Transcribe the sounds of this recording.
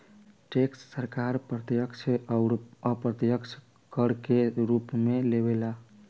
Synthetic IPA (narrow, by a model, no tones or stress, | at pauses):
ʈeksːəɾkaɾpɾət̪jəkt͡ʃʰ | əpɾət̪jəkt͡ʃʰ | kəɾkeɾupmelebela